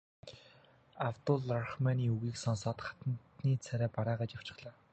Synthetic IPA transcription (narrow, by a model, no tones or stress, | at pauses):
awt̪ʊɮarχmaniːuɣiːksɔnsɔːt̪χḁt̪ə̆nt̪niːt͡sʰæɾæːpaɾaːʁaːt͡ɕjaw̥t͡ɕɪ̆χɮaː